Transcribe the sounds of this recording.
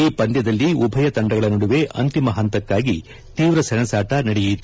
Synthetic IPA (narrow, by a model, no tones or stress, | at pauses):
iːpɐnd̪jɐd̪ɐlːiubʱɐjɐt̪ɐɳɖɐɡɐɭɐnɐɽuʋe̞ʔɐ̰nt̪imɐɦɐnt̪ɐkːaːɡi | t̪iːʋɾɐsɛnɐsaːʈɐnɐɽejit̪ːu